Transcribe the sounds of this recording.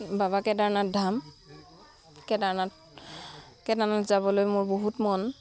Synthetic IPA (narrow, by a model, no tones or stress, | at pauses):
baβakɛdaɹnat̚dʱam | kɛdaɹnat | kɛdanatzabɔlojmʊɹboɦutmɔn